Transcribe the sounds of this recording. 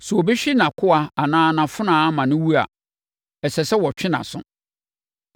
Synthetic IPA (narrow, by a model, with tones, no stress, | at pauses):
su˨ɔ˨bi˦ɕᶣi˦nã˨kʰʊ˦a˨a˨nãː˦˨nã˨fʊ˦nãː˨˦mã˨nʊ̃˦wu˦a̰˨ | ɛ˨sɛ˨sɛ˦wɔ˨t͡ɕᶣɪ̃˦nã̰˨sʊ̰̃˦